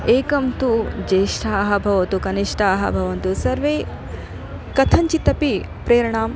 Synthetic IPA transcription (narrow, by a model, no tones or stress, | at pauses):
eːkɐmt̪ud͡ʒeːʂʈʰɐːɦɐbʱɐʋɐt̪ukɐniʂʈʰɐːɦɐ̰bʱɐʋɐnt̪usɐɾʋeː | kɐt̪ʰɐɲt͡ʃit̪ːɐpi | pɾeːɾɐɳaːm